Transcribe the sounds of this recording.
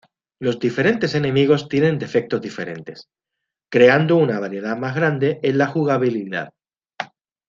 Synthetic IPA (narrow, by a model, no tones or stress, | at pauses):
lo̞zðife̞ɾe̞nt̪e̞se̞nẽ̞miɣ̞o̞st̪je̞nẽ̞nd̪e̞fe̞k̚t̪ozðife̞̰ɾe̞̰nt̪e̞s | kɾe̞and̪ounaβaɾje̞ðamazɣɾand̪e̞ʔenlaxuɣ̞aβ̞iliða̰ð